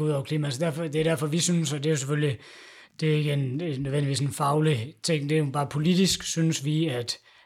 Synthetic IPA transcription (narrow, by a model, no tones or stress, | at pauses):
uð̰ˠɒʊɐkliːmæsɒd̥æɐfɒd̥eæɾ̥æɐfɒ̽ʋisynsɒd̥e̝jo̝sefølli | d̥e̝e̝ɡ̥əennːøðˠendiʋḭːsenfɑ̈ʊlət͡sʰe̝ŋ̰d̥e̝jo̝b̥ɑ̈ːpʰo̝lid̥isɡ̥synəsʋiæd̥